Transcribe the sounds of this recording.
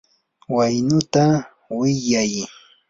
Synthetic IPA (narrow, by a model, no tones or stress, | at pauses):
wajnʊt̪a | wɪjaj